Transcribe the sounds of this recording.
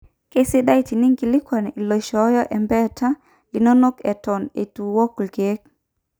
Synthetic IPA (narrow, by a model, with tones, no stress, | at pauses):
ke˦si˦ɗa˦i˦ti˨ni˦ŋɡi˨li˦kwa˨n˨i˨lɔ˨ʃɔ˨˦jɔ˦ʔɛ˨mbɛ˦tʰa˦ | li˨nɔ˦nɔ˦kɛ˨tɔ˨nḛ˨tu˨wɔ˦klɡe˦k̚